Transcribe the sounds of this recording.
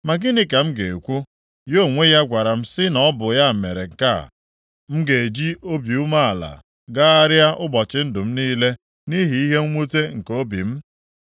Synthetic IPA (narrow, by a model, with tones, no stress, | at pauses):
ma˨ɡɪ˦nɪ˦ka˨m̩˦ɡe˨e˨kʷu˦ | jo˦˨ŋʷe˦ja˦ɡʷa˨ɾa˨m̩˦sɪ˦nɔ˨˦bʊ˨ja˦˨me˨ɾe˨ŋ̩˨ka̰˦˨ | m̩˦ɡe˨e˨d͡ʒi˦o˦bi˨u˦ma˦a˨la̰˨ | ɡa˦a˦ɾɪ˦a˦ʔʊ˦bɔ˨t͡ʃɪ˦n̩˦dʊ˨m̩˦niː˦le˦ | ni˦ɦi˨i˦ɦe˦ŋ̩˦ŋʷo˦te˦ŋ̩˨ko˦bḭ˨m̩˦